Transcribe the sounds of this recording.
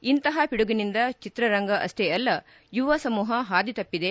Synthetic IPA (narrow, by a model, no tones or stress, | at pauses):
int̪ɐɦɐpiɽuɡɐnind̪ɐt͡ʃit̪ɾɐɾɐŋɡɐʔɐ̰st̪ʰɛɐlːɐ | juʋɐsɐmuːɦɐɦaːd̪it̪ɐpːid̪e̞